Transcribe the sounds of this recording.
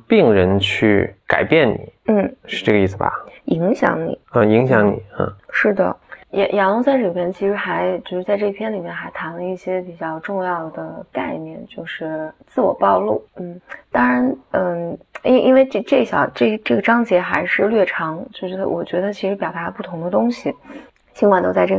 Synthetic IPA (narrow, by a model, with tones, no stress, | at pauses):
pi˥˩ŋɻə˧˥nt͡ɕʰy̰˥˧˩ka̰˨˩ɪpjɛ˥˩nnḭ˨˩˦n̩˥˩ʂɻ̩˥˧ʈ͡ʂɤ˥˩ɡə˧i˥˩sɹ̩˩bɐ̰˩ʔi˧˥ŋɕjɑ̰˧˥ŋnḭ˨˩˦ə˧i˧˥ŋɕjɑ˧˥ŋnḭ˨˩˦ə̰˥˧ʂɻ̩˥˩d̪ə̰˩jɛ̰˨˩jɑ˧˥lʊ˧˥ŋsa˥ʈ͡ʂi˨˩pʰjɛ˥nt͡ɕʰi˧˥ʂɻ̩˧˥xa˧˥ɪt͡ɕjo˥˧ʊʂɻ̩˥˧t͡sa˥˧ɪʈ͡ʂɤ˥˧pʰjɛ˥˩nli˨˩mjɛ˥˩nxa˧˥ɪt̪ʰa˧˥nlə˧i˥˩ɕjɛ˥pi˨˩t͡ɕjɑ˥˧ʊʈ͡ʂʊ˥˧ŋjɑ˥˩ʊd̪ə˩ka̰˥˧ɪnjɛ̰˥˧˩nt͡ɕjo˥˧ʊʂɻ̩˥˩t͡sɹ̩˥˩wɔ̰˨˩pɑ˥˧ʊlu˥˩n̩˥˩t̪ɑ˥ŋɻa˧˥nə˧˩˥ʔi˥nwe˥˧ɪʈ͡ʂʈ͡ʂɤ˥˩ɕjɑ˨˩ʊʈ͡ʂɤ˥˩ʈ͡ʂɤ˥˩ɡə˩ʈ͡ʂɑ˥ŋt͡ɕjɛ˧˥xa˧˥ɪʂɻ̩˥˧lɥɛ˥˩ʈ͡ʂʰɑ˧˥ŋt͡ɕjo˥˧ʊʂɻ̩˥˩˥wɔ̰˨˩t͡ɕɥɛ˧˥d̪ə˧t͡ɕʰi˧˥ʂɻ̩˧˥pjɑ˨˩ʊt̪a˧˥˧pu˥˩t̪ʰʊ˧˥ŋd̪ə˧t̪ʊ˥ŋɕi˨˩ | t͡ɕʰi˥ŋkwa˥˩nt̪o˥˧ʊt͡sa˧ɪʈ͡ʂɤ˥˩